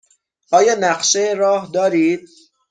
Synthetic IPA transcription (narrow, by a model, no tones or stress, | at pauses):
ʔɒːjɒːnæqʃeɾɒːhd̪ɒːɾiːd̪̥̚